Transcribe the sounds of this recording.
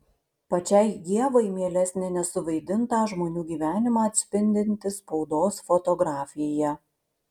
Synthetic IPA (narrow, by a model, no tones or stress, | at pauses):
pɐt͡ʃʲɛɪɡ̪ʲiɛʋɐɪmʲeːlʲɛsʲnʲɛnʲɛsʊʋɐɪd̪ʲɪnt̪ɑːˑʒmoːnʲuːɡʲiːʋʲæːnʲɪmɑːɐt̪ʲsʲpʲɪnʲd̪ʲɪnʲt̪ʲɪspɒʊd̪oːsfɔt̪ɔɡɾɑːfʲɪjjɛ